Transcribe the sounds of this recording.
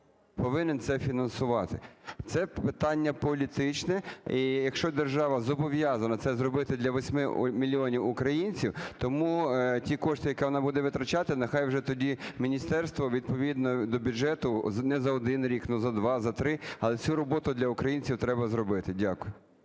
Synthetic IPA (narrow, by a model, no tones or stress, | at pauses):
pɔʋɪnent̪sɛfʲinɐnsʊʋɑt̪ɪt̪sɛpɪt̪ɑnʲːɐpɔlʲit̪ɪt͡ʃnɛijɐkʃt͡ʃɔd̪erʒɑʋɐzɔbɔʋjɑzɐnɐt̪sɛzrɔbɪt̪ɪd̪lʲɐʋɔsʲmɪmʲilʲiɔnʲiwʊkɾɐjinʲt͡sʲiwt̪ɔmutʲikɔʃt̪ɪjɐkɛʋɔnɑbud̪ɛʋɪt̪ɾɐt͡ʃɑt̪ɪnexɑjwʒɛt̪ɔdʲimʲinʲist̪ɛrst̪ʋɔʋʲid̪̚pɔʋʲid̪̚nɔd̪ɔbʲʊdʒɛt̪ʊnɛzɐɔd̪ɪnɾʲiknʊzɐd̪ʋɑzɐt̪ɾɪɐlˠɛt͡sʲuɾɔbɔt̪ʊd̪lʲɐʊkɾɐjinʲt͡sʲiwt̪ɾɛbɐzrɔbɪt̪ɪdʲakʊjʊ